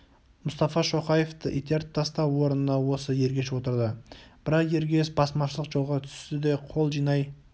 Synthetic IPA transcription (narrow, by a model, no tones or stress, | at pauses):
mʊst̪ɑfɑʃo̞qɑje̞ft̪əʔit̪ijaɾt̪ʰːɑst̪ɑwo̞ɾənənɑwo̞səje̞ɾɡʲe̞ʃwo̞t̪əɾd̪əb̥ɪɾɑqje̞ɾɡʲe̞sbɑsmɑʃəlˠəqʒolˠʁɑt̪ʰʏ̥st̪ɪd̪e̞qʰo̞lˠʒijnɑj